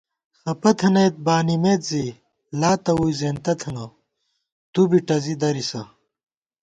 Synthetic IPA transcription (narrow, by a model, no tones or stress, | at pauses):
xɐpɐt̪ʰɐnɐjt̪̚baːnimeːt̪zi | laːt̪ɐwuːjzeːnt̪ɐt̪ʰɐnɐ | t̪ubiʈɐzid̪ɐɾisɐ